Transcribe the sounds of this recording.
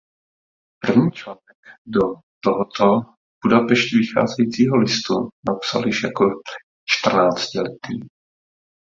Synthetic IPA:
pr̩vɲiːt͡ʃlaːnɛkdo | t̪oɦot̪ʰo | b̥udapɛʃcɪvɪxa̰ːzɛjiːt͡siːɦolɪst̪unapsa̰ljɪʃjako | t͡ʃt̪r̩naːt͡scɪlɛt̪ḭː

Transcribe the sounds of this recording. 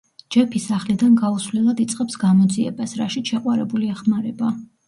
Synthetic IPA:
d͡ʒɛpʰisaχlid̪anɡausvlɛlˠad̪it̪sʼqʼɛpsɡamɔd̪ziɛ̰basɾa̰ʃiʃɛqʼwaɾɛbuliɛχmaɾɛba

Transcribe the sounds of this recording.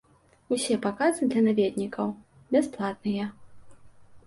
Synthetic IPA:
usʲɛpakazɨd̪lʲɐnavʲed̪ʲnʲikʰɐw | bʲɛsplˠat̪̚nɨjɐ

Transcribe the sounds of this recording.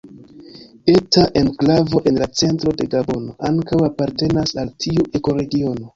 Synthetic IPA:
e̞taʔe̞nklavo̞ʔe̞nlat͡se̞ntɾo̞de̞ɡabo̞no̞̰ʔaŋkawapaɾte̞nasaltʰiuʔe̞ko̞ɾe̞ɡio̞no̞

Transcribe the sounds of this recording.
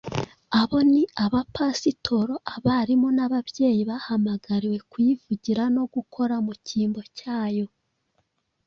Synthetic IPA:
aβo̞niaβapasitʰo̞ɾo̞ʔaβaɾimonaβaβje̞ːjiβahamaɡaɾiwe̞kwjivuɟiɾano̞ɡukʰo̞ɾamuciːmbo̞caːjo̞

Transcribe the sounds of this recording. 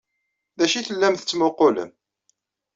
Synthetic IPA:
ðæʃiθəlːæmθə̥t͡sːmʊqolə̰m

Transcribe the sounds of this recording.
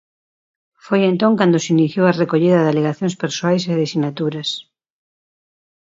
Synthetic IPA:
fojent̪õŋkand̪ʊsiniθjowɐrekoʎiðɐðaleɣaθjõŋspeɾsoajseðesinat̪uɾɐs

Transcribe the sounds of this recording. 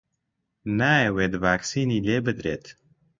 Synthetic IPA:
naːjeweːd̪ɨvaːksiːniːleːbɨd̪ɾeːt̪

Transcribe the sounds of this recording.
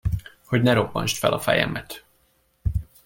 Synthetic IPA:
ho̞ɟnɛɾopːɒnʃt̪fɛlɒfɛjɛmɛt̪

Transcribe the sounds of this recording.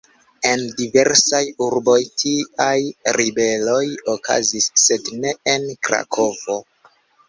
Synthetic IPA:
e̞ndive̞ɾsajuɾbo̞jtʰiajɾibe̞lo̞joka̰zisːe̞dne̞enkɾa̰kʰo̞vo̞

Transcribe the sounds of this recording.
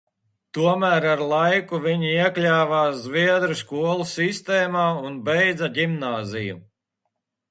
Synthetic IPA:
t̪uɔmæːɾaɾlˠajkuvʲiɲiiɛklʲæːvaːzvʲiɛd̪ɾuskuɔlˠusist̪ɛːmaːunbɛjd̪zɐɡimnaːzijṵ

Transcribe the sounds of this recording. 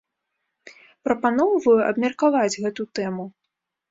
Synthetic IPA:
pɾɐpanɔwvɐjuʔɐ̰bmʲɐrkavad͡zʲɣɛt̪ut̪ɛmu

